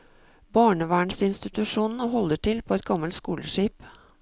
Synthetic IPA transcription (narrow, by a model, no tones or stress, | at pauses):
bɑːɳəʋæːɳsɪnst̪ɪt̪ʉʂuːnn̩əɦɔlːəʈɪlpʰɔɛt̪̚ɡɑmːəlt̪skuːləʂiːp